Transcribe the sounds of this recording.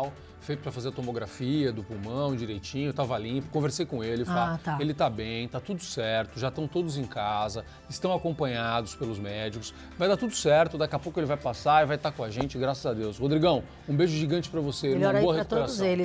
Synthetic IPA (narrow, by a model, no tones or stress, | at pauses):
w | fejt̪ʊpɾɐfazeɾɐt̪omoɡɾafiɐd̪ʊpumɐ̃w̃d͡ʒiɾejt͡ʃĩɲʊt̪avɐlĩpʊ̥kõveɾsejkõelɪffat̪aelɪt̪abẽj̃t̪at̪ud̪ʊsɛɾt̪ʊʒat̪ɐ̃w̃t̪od̪ʊzẽj̃kazɐ | ɪst̪ɐ̃w̃akõpɐ̃ɲad̪ʊspelʊzmɛd͡ʒikʊ̥s | vajd̪aɾt̪ud̪ʊsɛɾt̪ʊd̪akɪapowkʊelɪvajpasaɪvajt̪akõaʒẽnt͡ʃɪɡɾasɐzɐd̪ewshod̪ɾiɡɐ̃w̃ | ũbeʒʊʒiɡɐ̃t͡ʃɪ̥pɾɐvosẽmɔɾboɐhekupeɾaselɪ